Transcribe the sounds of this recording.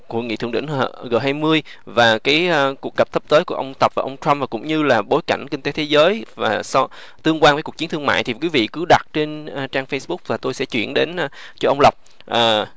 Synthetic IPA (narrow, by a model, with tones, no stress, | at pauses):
ku˧˩əŋḭ˧˨t̪ʰɨ̰˧əŋɗḭ˧˩˨ŋhə˧˩ɣəː˨˩ɦaː˧jmɨ˧əj | vaː˨˩kaː˨˦jku˨˩ək̚ə˨˩p̚t̪ʰə˦˥p̚t̪əː˨˦jku˧˩əʔə˧wŋ͡mt̪ə˨˩p̚vaː˨ʔə˧wŋ͡mt͡ɕwa˧mva˨˩kʊ̰˧˥ŋ͡mɲɨ˧laː˨˩ɓo˨˦jka˧˩jŋ̟ki˧ŋ̟t̪e˨˦t̪ʰe˨˦zəː˨˦jvaː˨˩sɔ˧ | t̪ɨ˧əŋk̬waː˧nvəː˨˦ku˨˩t͡ɕi˦nt̪ʰɨ˧əŋma̰ː˧˨jt̪ʰi˨˩kwi˨˦vḭ˧˨kɨ˨˦ɗa˨˩t̚t͡ɕe˧nː˧˩t͡ɕaː˧ŋfə˧sɓʊ˦˥k͡p̚vaː˨˩t̪o˧jsɛ̰˧˥t͡ɕwḭ˧˩˨ənɗe˨˦n˧ | t͡ɕɔ˧ʔə˧wŋ͡mlə˨˩wk͡p̚ | ʔəː˨˩